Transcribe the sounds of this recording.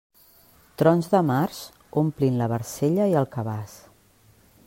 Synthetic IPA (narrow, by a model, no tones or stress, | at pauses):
t̪ɾɔnzðəmaɾz | omplinləβəɾseʎəiəlˠkəβas